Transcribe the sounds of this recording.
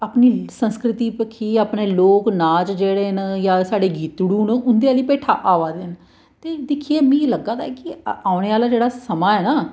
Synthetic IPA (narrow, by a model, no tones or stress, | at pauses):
aːpniːsənskɾɪt̪iːpəkʰiːaːpneːloːknaːd͡ʒd͡ʒeːɽeːnjaːsaːɖeːɡiːt̪ɽuːnʊnd̪eːaːliːpeːʈʰa̰ːʔaːʋaːd̪ɪn | t̪eːd̪ɪkʰieːmĩːləɡːaːd̪aɛkɪaːʊɽeːaːlaːd͡ʒeːɽaːsəmaːɛːnaː